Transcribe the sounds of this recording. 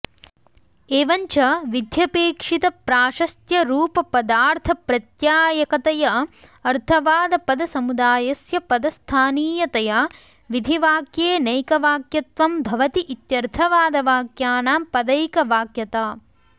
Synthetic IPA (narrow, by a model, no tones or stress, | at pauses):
eːʋɐɲt͡ʃɐʋid̪ʱjɐpeːkʂit̪ɐpɾaːʃɐst̪jɐɾuːpɐpɐd̪aːɾt̪ʰɐpɾɐt̪jaːjɐkɐt̪ɐjɐ | ɐɾt̪ʰɐʋaːd̪ɐpɐd̪ɐsɐmud̪aːjɐsjɐpɐd̪ɐst̪ʰaːniːjɐt̪ɐja | ʋid̪ʱiʋaːkjeːnɐjkɐʋaːkjɐt̪ʋɐmbʱɐʋɐt̪iʔit̪jɐɾt̪ʰɐʋaːd̪ɐʋaːkjaːnaːpɐd̪ɐjkɐʋaːkjɐt̪aː